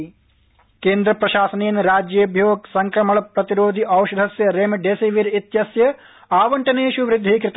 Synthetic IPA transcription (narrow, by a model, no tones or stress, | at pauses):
keːnd̪ɾɐpɾɐʃaːsɐnejɐnɾaːd͡ʒjɐjɐbʱjoːksɐŋkɾɐmɐɭɐpɾɐt̪iɾoːd̪ʱiʔɐwʃɐd̪ʱɐsjɐɾeːmɐɖeːseːʋiːɾit̪jɐsjɐ | aːʋɐɳʈɐneːʃuʋɾɪd̪ʱːiːkɾit̪